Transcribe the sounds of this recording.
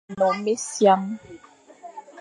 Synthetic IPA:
mɔ˨me˦sja˦ŋ

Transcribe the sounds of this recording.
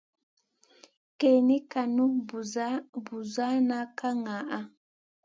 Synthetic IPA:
ke˨ni˦ka˨nu˦˨˦ | bu˨za˦na˦ka˦ŋa˨ʔa˦

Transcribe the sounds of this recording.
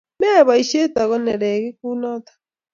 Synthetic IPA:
mɛ˦˨βa˨i˨ʃe˦ta˨ɣɔ˦nɛ˨ɾɛ˨ɣe˦ku˦nɔ˦t̪ḁ

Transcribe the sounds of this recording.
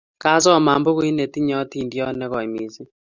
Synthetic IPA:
ka˦sɔ˦˨ma˨mbo˦ɣwi˦ne˨ti˦ɲɔ˦ti˦˨ndjɔ˦nɛ˦ɣɔ˨i˨mi˨si˦

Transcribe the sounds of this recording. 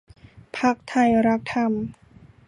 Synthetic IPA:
pʰa˦˥k̚t̪ʰa˧˩jɾa˦˥k̚t̪ʰa˧˩m

